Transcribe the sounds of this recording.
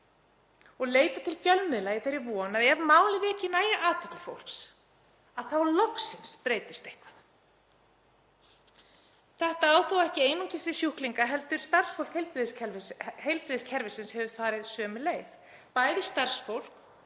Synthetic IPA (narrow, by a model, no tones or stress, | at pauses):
ɔɣleːjt̪at̪ʰɪlpjœlmʏðlaːjɪθejɾɪvɔːnaðɛvmaːwlɪvɪɛhcɪnaːjaʔaːt̪ʰɪk̪lʏfowl̥ks | aðθawlɔksɪnspɾeːjt̪ɪst̪ehkvað | θɛht̪aaːwθowɛhcɪeːjnucɪsɾɪ̥sjuhkliŋkaɦɛlt̪ʏɾ̥st̪aɾr̥sfowl̥khejlpɾɪðsʰɛvhejlpɾɪðscʰɛɾvɪsɪnshɛvʏfaːɾɪðsœːmɪleːjð | paːjðist̪ar̥sfowl̥k